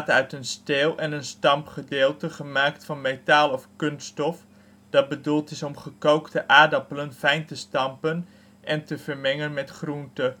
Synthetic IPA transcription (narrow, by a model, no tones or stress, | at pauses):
tœɥtənstɪːlˠʔɛnənstɑmpχədɪːlˠtəχəmaːktfɑnmejtaːlˠɔfkønstɔf | d̥ɑt̚bədulˠtɪsɔmχəkowktəʔaːdɑpələnfɛjntəstɑmpən | ʔɛntəvəɹmɛŋənmɛtχruntə